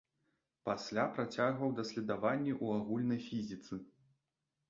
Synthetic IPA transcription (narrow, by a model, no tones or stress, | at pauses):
pasʲlʲapɾat͡sʲaɣvɐwd̪ɐsʲlʲɛd̪avanʲːiʔuaɣulʲnɐjfʲizʲit̪sɨ